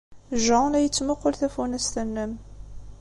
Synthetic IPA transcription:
ʒɑnæjət͡sːmʊqːolθæfunæst̪ənːəm

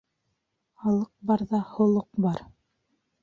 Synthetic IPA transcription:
hɑlˠɤq̚bɑɾðɑhŏlˠoq̚bɑɾ

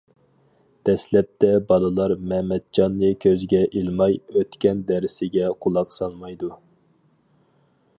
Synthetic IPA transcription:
d̪̥ɛslɛp̚t̪ʰɛbɑlˠɨlˠɑɾmɛmɛd̪̚d͡ʒɑnːɨkʲʰøzɡʲɛʔilmɑjøt̪kʲɛnd̪ɛɾɪsɪɡʲɛqʰulˠɑqsɑlˠmɑjd̪u

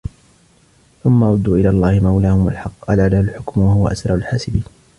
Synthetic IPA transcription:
θʊmːaʔɑɾˤʊd̪ːuːʔɪlaːlˤːɑːhɪmawlaːhʊmwa̰lħɑqːʔalaʕlahʊlħʊkmwahʊwa̰ʔasɾˤɑʕʊlħaːsɪbiːn

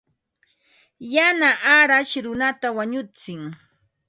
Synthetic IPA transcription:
janaʔaɾaʃɾʊnat̪awaɲʊt͡sɪŋ

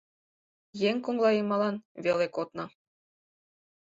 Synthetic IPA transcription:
jeŋʲkuŋlˠɑjɤmɑlˠɑnvʲelʲekot̪nɤ̆

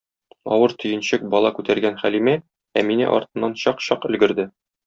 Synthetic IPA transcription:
ɒ̰wɤɾt̪ʰɵ̆jɘ̆nɕɘk̚bɒlˠɑkʉt̪æɾɡænχælimæ | æminɘ̰ʔɒ̰ɾt̪ɤ̆nːɑnɕɒqɕɒqɘ̆lɡɘ̆ɾd̪ɘ

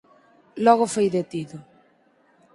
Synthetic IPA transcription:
lɔɣ̞ʊfojðet̪iðʊ

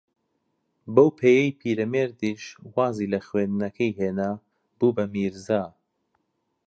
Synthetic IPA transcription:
bɐwpʰejɛjpʰiːɾɐmeːɾd̪iʃwaːziːlɐxweːnd̪nɐkʰɐjɦeːna | b̥uːbɐmiːɾzaː

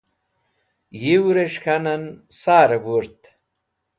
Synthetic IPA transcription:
jiwɾeʂkʰanɐnsaːɾɐbuɾt̪

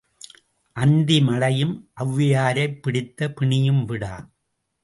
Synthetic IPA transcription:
ʔɐnd̪imɐlɐjɯmʔɐʋːɪjaːɾɐɪpːɪɽɪt̪ːɐpɪɳɪjɯmʋɪɽa̰ː

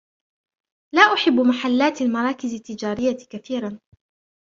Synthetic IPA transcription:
laːʔʊħɪbːmaħalːaːt̪almɑɾˤɑːkɪzɪt̪ːɪd͡ʒaːɾɪjːakaθiːɾˤɑn

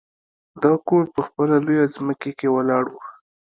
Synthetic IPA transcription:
d̪ɑkoɾpəxpəlalojazməkekewalɑɽwu

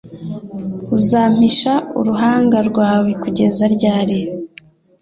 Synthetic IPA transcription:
uzaːm̥iʃaṵɾuɦaːŋɡaɾɡwaːwekuɟe̞zaɾɟaːɾe

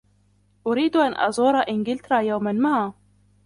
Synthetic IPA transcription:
ʔʊɾiːd̪ʔanʔɑ̰zˤuːɾˤɑʔɪnɡɪlt̪ɾˤɑːjawmanmaʕaː

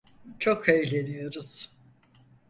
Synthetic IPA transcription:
t͡ʃʰokejlʲenijoɾuz̥

